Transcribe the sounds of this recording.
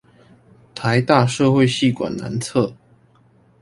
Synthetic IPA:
t̪ʰa˧˦ɪt̪a˥˧ʂɤ˥˧xwe˥˧ɪɕi˥˩kwa̰˨˩nna̰˧˦nt͡sʰɤ˥˨

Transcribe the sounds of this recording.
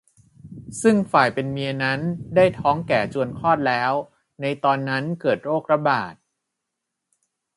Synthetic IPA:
sɯ˥˩ŋfaː˨˩jpe˧nmi˧əna˦˥ndaː˥˩jt̪ʰɔː˦˥ŋkɛː˨˩t͡ɕu˧ənkʰɔː˥˩t̪̚lɛː˦˥w | na˧jt̪ɔː˧nːa˦˥nkɤː˨˩t̪̚ɾoː˥˩k̚ɾa˧˥baː˨˩t̪̚

